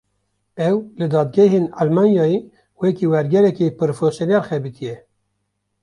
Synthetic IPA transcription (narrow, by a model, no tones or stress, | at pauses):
ɛwlɨd̪ɑːd̪ɡɛɦeːnɑlmɑːnjɑːe | wɛkiwɛɾɡɛɾɛkepɨɾofosjonɛɾxɛbit̪ʰijɛ